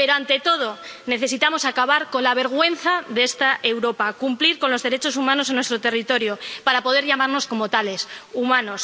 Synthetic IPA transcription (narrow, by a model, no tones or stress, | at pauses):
pe̞ɾoant̪e̞t̪o̞ð̞o̞ | ne̞θe̞sit̪amo̞sakaβaɾko̞nlaβ̞e̞ɾɣwe̞n̟θaðee̞st̪aʔewɾo̞pakumpliɾko̞nlo̞zðe̞ɾet͡ʃo̞sumãnosenwest̪ɾot̪e̞rit̪o̞ɾjo̞paɾapo̞ðe̞ɾʎamaɾno̞sko̞mo̞t̪ale̞sumãno̞s